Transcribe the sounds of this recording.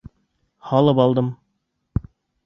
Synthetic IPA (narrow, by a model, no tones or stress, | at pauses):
hɑlˠɤpɑlˠd̪ɤm